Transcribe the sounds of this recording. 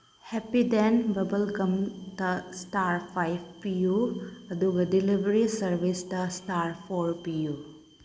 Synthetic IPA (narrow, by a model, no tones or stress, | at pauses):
hɛpid̪ɛnbɐbəlkɐmt̪ɐsʈaːɾpʰajʋpijuɐd̪uɡɐdilibəɾisəɾʋisʈɐsʈaːɾpʰoɾpiju